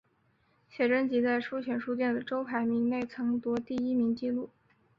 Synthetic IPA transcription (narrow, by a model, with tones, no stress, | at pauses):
ɕɥɛ˨˩ʈ͡ʂə˥nt͡ɕi˧˥t͡sa˥˧ɪʂu˥t͡ɕʰɥɛ˨˩nʂu˥˧t̪̬jɛ˥˩nd̪ə˩ʈ͡ʂo˥ʊpʰa˧˥ɪmi˧˥ŋne˥˩ɪt͡sʰɤ˧˥ŋt̪wɔ˧˥t̪i˥˩i˥mi˧˥ŋt͡ɕi˥˧lu˥˩